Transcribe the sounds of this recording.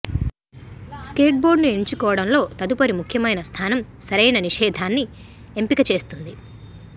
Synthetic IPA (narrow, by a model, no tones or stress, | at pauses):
ske̞ːʈ̚bo̞ːɖnueɲt͡ʃikɔːʋɐɽɐmlo̞ːt̪ɐd̪upɐɾimukʰjɐmɐjnɐst̪ʰaːnɐm | sɐɾɐjnɐniʂɛːd̪ʱaːnːi | empikɐt͡ʃe̞ːst̪und̪i